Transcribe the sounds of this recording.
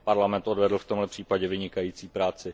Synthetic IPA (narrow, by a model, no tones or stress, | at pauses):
paɾlamɛnt̪ʔo̞dvɛdl̩ft̪o̞mɦlɛpr̥iːpaɟɛvɪɲɪkajiːt͡siːpɾaːt͡sɪ